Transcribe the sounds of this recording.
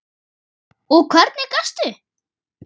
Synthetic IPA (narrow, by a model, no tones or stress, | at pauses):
ɔkʰvœɾt̪nɪkast̪ʏ